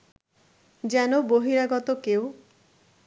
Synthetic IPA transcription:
d͡ʒɛnoboɦiɾaɡɔt̪okew

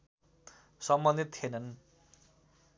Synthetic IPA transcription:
sʌmbʌnd̪it̪ːʰienʌn

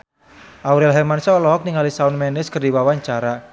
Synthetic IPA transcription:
ʔauɾɛlɦɛmansaɔlɔk̚niŋalisaunmɛnɪskərdiwawaɲt͡ʃaɾa

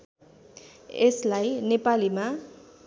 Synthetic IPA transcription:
eslajnepalima

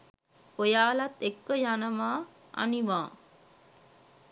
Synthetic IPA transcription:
pojaːlat̪ekːəjanəmaː | a̰niʋãː

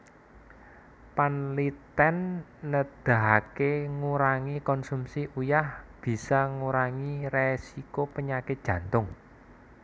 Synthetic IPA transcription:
panlit̪ɛnːəd̪̥a̤keŋuɾaŋikɔnsumsiʔujahb̥i̤saŋuɾaŋiresikopəɲakɪt̪̚ʒ̥ä̤nt̪ʊŋ

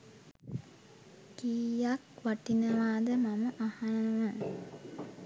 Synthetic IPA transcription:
kiːjakʋaʈinəʋaːd̪əmaməʔahanəəmə

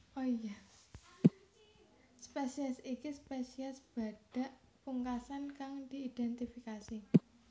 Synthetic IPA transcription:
ʔoja | spesiɛsikispesiɛsb̥a̤ɖ̥a̤ʔpuŋkasankaŋd̪̥i̤id̪̥ɛnt̪ifikasi

